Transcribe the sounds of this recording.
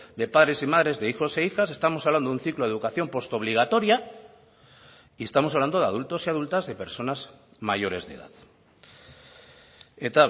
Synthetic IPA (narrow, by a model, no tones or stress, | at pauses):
d̪e̞paðɾe̞simað̞ɾe̞zðeixo̞se̞ixas̬e̞st̪amosaβland̪oun̟θikloðukaθjo̞mpo̞st̪oβ̞liɣ̞at̪o̞ɾja | ie̞st̪amosaβland̪o̞ðeað̞ult̪o̞siað̞ult̪azðe̞pe̞ɾso̞naz | maʝo̞ɾe̞zðḛða̰ð | et̪a